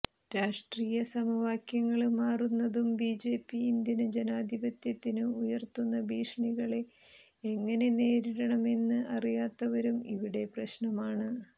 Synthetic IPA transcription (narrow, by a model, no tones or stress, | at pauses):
ɾaːʂʈriːjɐsɐmɐʋaːkjɐŋːɐɭmaːrunːɐðumbiːd͡ʑe̞ːpːiːnd̪jɐnɨd͡ʑenaːd̪ʱibɐt̪jɐt̪ːinɨujɐrt̪unːɐbiːʂɳiɣɐɭe̞ | eŋːɐne̞ne̞ːɾiɾɐɳɐme̞nːɨʔɐrijaːt̪ːɐʋɐɾumḭʋiɽe̞prɐɕnɐmaːɳɨ